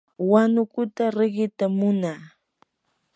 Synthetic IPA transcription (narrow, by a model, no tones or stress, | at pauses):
wanʊkʊt̪aɾɪɢɪt̪amʊnaː